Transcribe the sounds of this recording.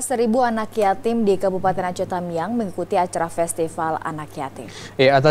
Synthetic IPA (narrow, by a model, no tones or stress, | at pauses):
səɾibuanakjat̪ɪmdikabupat̪ɛnat͡ʃot̪amiaŋməŋikut̪iat͡ʃaɾafɛst̪ifala̰nakja̰t̪ɪmiat̪a